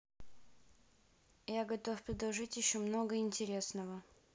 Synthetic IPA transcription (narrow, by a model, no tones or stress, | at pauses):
jaɡɐt̪ofpɾʲɪd̪ˠɐʐɨtʲjɪɕːomno̞ɡəɪnʲtʲɪɾʲe̞snəvə